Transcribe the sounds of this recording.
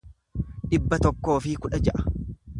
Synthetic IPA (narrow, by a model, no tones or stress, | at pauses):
ᶑɪbːɐt̪ɔkːo̞ːfɪkʊᶑɐd͡ʒɛʔɐ̥